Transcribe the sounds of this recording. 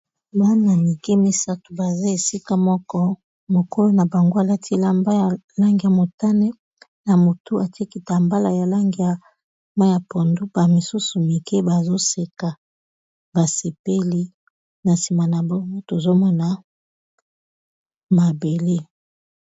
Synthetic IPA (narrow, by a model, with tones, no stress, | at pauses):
ba˦na˨mi˨ke˦mi˨sa˦tu˨ba˨za˦e˨si˦ka˦mɔ˦kɔ˦ | mo˨ko˦lo˦na˨ba˨ŋɡo˦a˨la˦tʰi˦la˦mba˦˨ | la˦ŋɡi˨ja˨mo˨ta˦nɛ˦ | na˨mo˨tu˦a˨ti˦e˦ki˦ta˨mba˦la˨ja˨la˦ŋɡi˨a˨ | ma˦ja˨pɔ˨ndu˦ba˨mi˨su˦su˨mi˨ke˦ba˨zo˦se˨ka˨ | ba˨se˨pe˦li˦ | na˨si˨ma˨na˨bɔ˦ŋɡo˦to˨zo˦mɔ˦na˦ | ma˨be˨le˦